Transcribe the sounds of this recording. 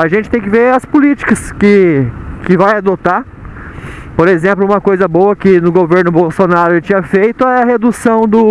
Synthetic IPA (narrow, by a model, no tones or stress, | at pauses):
aʒẽnt͡ʃɪt̪ẽj̃kɪveɐspʊlit͡ʃi̥kɐskɪkɪvajad̪ot̪a | poɾezẽmplʊũmɐkojzɐbowɐkɪnʊɡoveɾnʊbowsonaɾʊɪt͡ʃĩɲɐfejt̪ʊɐɦed̪usɐ̃w̃d̪ʊ